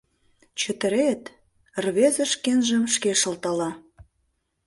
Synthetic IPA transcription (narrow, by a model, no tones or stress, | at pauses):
t͡ɕə̆t̪əɾet̪ | rβezə̆ʃkenʒəmʃkeʃə̆lt̪ɑlɑ